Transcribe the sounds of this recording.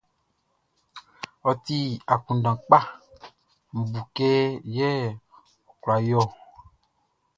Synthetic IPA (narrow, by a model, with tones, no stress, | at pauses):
ɔ˨t̪i˦a˨kũ˨ɖã˨k͡pa˦ | m̩˨bu˨ke˦jɛ˦ | ɔ˨kla˨jɔ˦˨